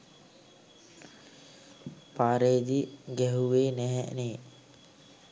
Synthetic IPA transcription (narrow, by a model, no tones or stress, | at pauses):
paːɾeːd̪iɡɛɦuʋeːnɛɦɛneː